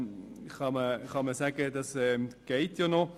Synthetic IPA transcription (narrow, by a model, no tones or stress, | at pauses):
χɑməχɑməsæɡəd̥ɑsɛɡ̥ɛɪtjonɔ